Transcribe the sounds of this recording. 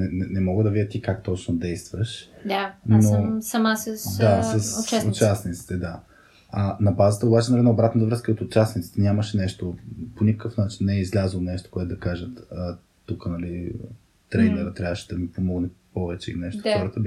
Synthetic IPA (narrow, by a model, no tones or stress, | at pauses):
nɛnɛnɛmɔɡəd̪ɐvid̪ʲət̪ikakt̪ɔt͡ʃnod̪ɛjst̪vəʃd̪anosɐmasəsd̪asɐst͡ʃaʊt͡ʃasnit̪si̥t̪ɛd̪a | ɐnɐbazət̪əobat͡ʃɛnɐlɛdnaobɾat̪nt̪əvɾəskəot̪ʊt͡ʃasnit̪si̥t̪ɛnʲaməʃɛnɛʃt̪oponʲikə̥kɤfnat͡ʃinːɛɛizlʲazlˠonɛʃt̪o̥koɛt̪ʊd̪ɐkaʒət̪ə | t̪ːukənɐli | t̪ɾɛnɛɾət̪ɾjavəʃɛd̪ɐmipomɔɡnɛpɔvɛt͡ʃɛḭnɛʃt̪o̥xɔɾət̪əb